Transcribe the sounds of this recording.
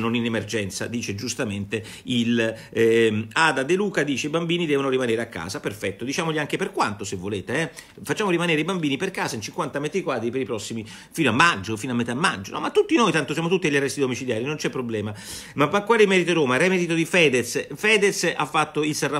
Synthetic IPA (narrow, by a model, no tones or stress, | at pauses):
noninemerd͡ʒɛnt̪sa̰d̪iːt͡ʃed͡ʒust̪ament̪e | il | aːd̪ad̪eluːkad̪iːt͡ʃeibambiːnid̪ɛːvonoɾimaneːɾeakːa̰ːzaperfɛt̪ːod̪it͡ʃaːmoʎiaŋkeperkwant̪osevːoleːt̪eɛ | fat͡ʃːaːmoɾimaneːɾeibambiːniperkaːzaint͡ʃiŋkwant̪amɛt̪ɾikwaːd̪ɾipeɾipɾɔsːimi | fiːnoamːad͡ʒːofinoamːɛt̪amːa̰d͡ʒːonɔ̰mat̪ːut̪ːinojt̪ant̪osjaːmot̪ut̪ːiaʎːarɛst̪id̪omit͡ʃiljaːɾinont͡ʃɛpːɾoblɛːma | mapːakːwaːlimɛɾit̪oɾoːmaɾɛmed̪it̪od̪ifɛːd̪et̪sfɛːd̪et̪sa̰fːat̪ːoilsarːa